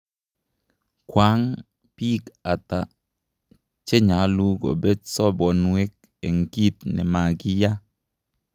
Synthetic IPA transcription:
kwa˨˦ŋ | pi˦ka˨ta˨ | t͡ʃe˦ɲa˨˦lu˦ɡɔ̰˨bɛ˦sɔ˦bɔ˨nwe˦k̚ | e˨ŋ̩˨ki˦tnɛ̰˨ma˨ki˦ja˦

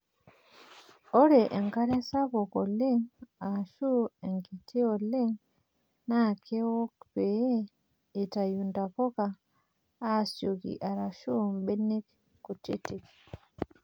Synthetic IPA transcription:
o˦ɾeʔe˨ŋka˦ɾe˦sa˦bo˨koli˦ŋa˨ʃu˦e˨ŋki˨tʰi˦o˨li˦ŋ | na˦kʰe˦wo˦kpee˦ | i˨ta˨junda˨po˦kaː˦ | so˨ɡḭʔa˨ɾa˨ʃu˦mbe˦nːi˦k | kutḭ˦ti˨k

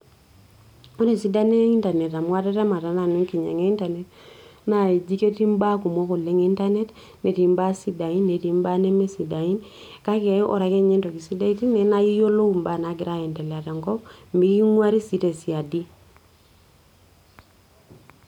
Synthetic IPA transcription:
o˦ɾe˨si˦da˦ne˦i˦nta˨ne˨ta˨mwa˦te˦te˦ma˨ta˨na˨nu˦ŋki˨ɲḛ˨ŋe˦i˦nta˨ne˦tna˨i˨d͡ʒi˦ke˦ti˦mba˦ku˨mwɔ˦ko˨le˦ŋi˦nta˦ne˦t | ne˨ti˨mba˦si˦da˨i˦nːe˨ti˦mba˦ne˦me˦si˨da˨i˦n | ka˦kɛ˦ɔ̰˨ɾa˨˦ke˦ɲe˦nto˨ki˨si˦da˦i˦ti˦ne˦na˦i˦jo˦lo˦u˨mba˦˨na˨ɡɪ˨ɾa˦ɛ˨nte˨la˨te˨ŋɡɔ˦pmi˦ki˦ŋwa˦ɾi˦si˦te˨si˨a˨di˦

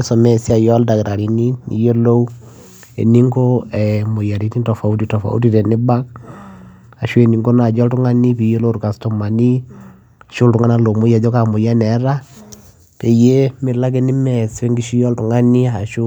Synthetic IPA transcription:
sɔ˨mɛ˨si˦a˨jɔ˦lda˨kɾa˨ɾi˨ni˦mḭ˨je˦lo˦u˦ | ḛ˨ni˦ŋɡo˦ɛmʊ˨ja˨ɾi˦ti˦ntɔ˨fa˨u˦ti˦tɔ˨fa̰˨ṵ˦ti˦ɾɛ˨ni˦ba˦k̚ | a˨ʃu˦e˨ni˨ŋɡo˦na˨d͡ʒɔ˦ltu˦ŋa˦ni˦pi˨je˦lo˦ɾu˨ka˨stɔ˨ma˨ni˦ | a˨ʃo˦ltu˨ŋa˦na˦lo˨mu˦ja˨d͡ʒo˦ka˨mʊ˨ja˦nɛ˨˦ɾa˦ | pe˨je˦mɪ˨la˦k̬e˦ni˦mɛ˨swe˦ŋɡi˦ʃi˦jɔ˦ltu˨ŋa˦ni˦a˨ʃu˦

